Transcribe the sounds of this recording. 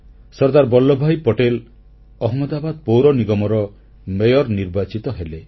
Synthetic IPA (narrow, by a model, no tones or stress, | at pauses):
sɔɾd̪aɾbɔlːɔbʱajpɔʈel | ɔɦmɔd̪abad̪̚powɾɔniɡɔmɔɾɔ | mejɔɾniɾbat͡ʃit̪ɔɦele